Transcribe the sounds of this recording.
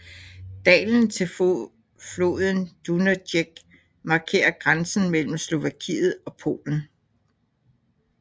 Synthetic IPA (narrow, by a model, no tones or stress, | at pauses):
d̥ɛ̰ːln̩t͡sʰe̝l | flo̝̰ːðˠn̩d̥unædeɡ̥ | mɑ̈ːkʰe̝̰ːɐɡ̥ʁansn̩mel̰m̩slo̝ʋækʰḭːð̞̩ˠɒ̽pʰo̝̰ːln̩